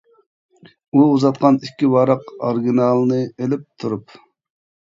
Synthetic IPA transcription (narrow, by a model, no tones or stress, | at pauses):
uuzɑt̪̚qʰɑnikʲːiwɑɾɑqɑɾɡʲinɑlˠnɨelɪp̚t̪ʰuɾup